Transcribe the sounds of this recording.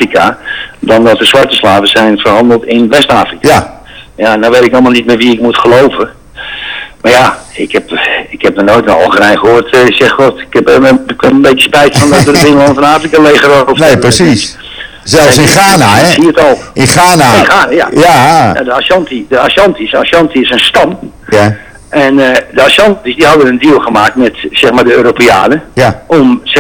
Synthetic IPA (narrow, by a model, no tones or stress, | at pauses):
ikadɔndɔtəsʋartəslaːvəsɛjnfərɦɑndəl̩ˠtɪnʋɛstaːfrik | janoʋetɪkɔlˠmalˠnit̚mɛʋiɪkmutχəlowvə | marjaɪkhɛpɪkhɛp̚nənojtənɔ̰lˠxənɛjnxəɦoːrtsɛxotɪkɛpkɪnənbetəspɛjtfɔndɔtədɪŋəlɔnəfɔnaːfrikaleːχərɔtɔnepəsis | sɛlˠsɪnxaːnaɛsiətɔlˠɪnxaːnaɪnxaːnaja̰jana̰dəasɔntidəasɔntisa̰sjɔntiɪsənstɑm | ɛndəasɑntisdihɑdənəndiəlˠxəmaːk̚tmɛtsɛxmadəøːɾopea̰ːnəɔmsɛ